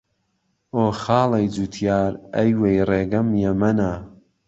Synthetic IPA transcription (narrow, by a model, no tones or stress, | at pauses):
oːxɑːlˠɐjd͡zut̪ʰjaːɾɐjwejreːɡɐmjɐmɐna